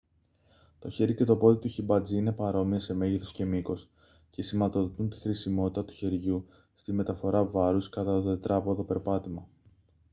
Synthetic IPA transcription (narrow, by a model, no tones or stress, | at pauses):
t̪o̞çe̞ɾice̞t̪o̞po̞ðit̪uçibɐd͡ziine̞pɐɾo̞miɐse̞me̞ʝiθosce̞miko̞s | ce̞simɐt̪o̞ðot̪unt̪i̥xɾisimo̞t̪i̥t̪ɐt̪u̥çe̞ɾʝu | st̪ime̞t̪ɐfo̞ɾɐvɐɾuskɐt̪ɐt̪oðet̪ɾɐpoðo̞pe̞ɾpɐt̪imɐ